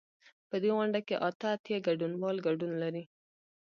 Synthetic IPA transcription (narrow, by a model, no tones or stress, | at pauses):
pəd̪eɣʊɳɖakeʔɑt̪aːt̪jaɡaɖunwɑlɡaɖunlaɾi